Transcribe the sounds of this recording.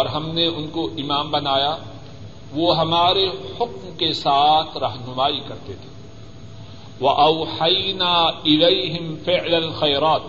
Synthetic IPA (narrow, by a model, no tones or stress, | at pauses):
ɔːɾɦɐmneʔʊnkoʔɪmaːmbɐnaːja | ʋoɦɐmaːɾehʊkmkesaːt̪ʰɾɐɦnʊmaːikɐɾt̪et̪ʰe̥ː | ʋɐʔɐwħɐjnaːɪlejɦɪmfɪʕlɐlxɐjɾaːt̪̚